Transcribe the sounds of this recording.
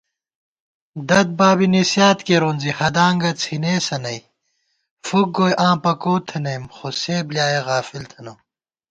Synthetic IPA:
d̪ɐd̪̚baːbinisjaːt̪keɾoːnzihɐd̪aːŋɡɐt͡sʰineːsɐnɐj | fuk̚ɡoːjʔãːpɐkoːt̪ʰɐnɐjmxoseːbljaːjeɣaːfilt̪ʰɐnoː

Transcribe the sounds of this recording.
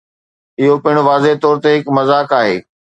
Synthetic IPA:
ɪɦopɪɪ̃ɽ̃ʊʋaːzet̪ɔːɾt̪eɦɪkmɐzaːkaːɦeː

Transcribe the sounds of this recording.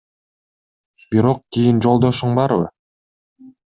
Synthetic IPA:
b̥iɾo̞q̚kʲijind͡ʒo̞lˠd̪o̞ʃuɴbɑɾβɯ̰

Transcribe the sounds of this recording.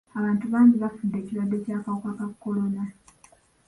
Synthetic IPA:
aβaːntuβaːɲɟiβafudːe̞ːciɾwadːe̞caːkawukakakːo̞lo̞na

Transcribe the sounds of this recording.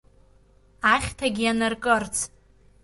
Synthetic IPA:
aχʲtʰaɡʲianarkʼɨrt͡sʰ

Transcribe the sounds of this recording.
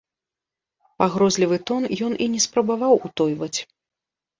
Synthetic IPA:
paɣɾɔzʲlʲivɨt̪ɔnjɔninʲɛspɾɐbavawut̪ɔjvɐt͡sʲ

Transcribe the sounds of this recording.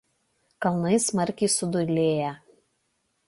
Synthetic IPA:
kɐlˠnɐɪsmɐɾʲkʲɛɪsʊd̪ʊlʲeːjɛ

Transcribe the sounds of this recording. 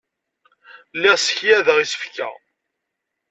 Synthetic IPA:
lːɪʁsə̥çjæðəʁisə̥fkæ̰

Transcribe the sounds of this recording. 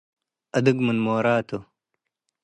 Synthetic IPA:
ɐd̪uɡmunmoːɾaːt̪ʰo

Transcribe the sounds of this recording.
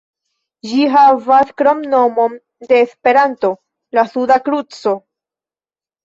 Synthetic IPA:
ʒiɦavaskɾomno̞mo̞n | de̞ːspe̞ɾanto̞ | lasudakɾut͡so̞

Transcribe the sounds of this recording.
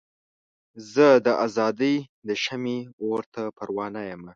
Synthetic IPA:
zəd̪əʔazɑd̪əjd̪əʃamioɾt̪ʰapaɾwɑnajəma

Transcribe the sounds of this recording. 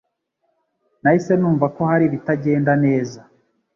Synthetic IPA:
naise̞nuːɱvako̞haɾiβitaɟe̞ːndane̞ːza

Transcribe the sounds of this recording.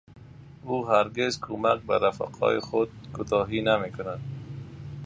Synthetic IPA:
uɦaɾɡezkʰomak̚ba̰ɾafa̰qʰɒ̰jɪxʊd̪̚kut̪ɔɦinamekʊnad̪̚

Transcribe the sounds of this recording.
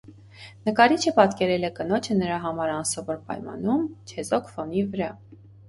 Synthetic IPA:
nəkɑɾit͡ʃʰəpɑt̪kɛɾɛlɛkənɔt͡ʃʰənəɾɑɦɑmɑɾɑnsɑvɔɾpɑ̰jmɑ̰numt͡ʃʰɛzɔkʰfɔnivəɾɑ

